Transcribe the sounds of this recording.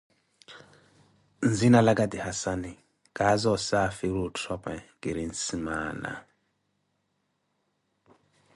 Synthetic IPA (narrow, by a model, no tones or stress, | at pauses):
nd͡zinalak̬ʼadihasani | kʼazɔsafiɾutʰrɔpʰʼɛkʼiɾinsimaːna̰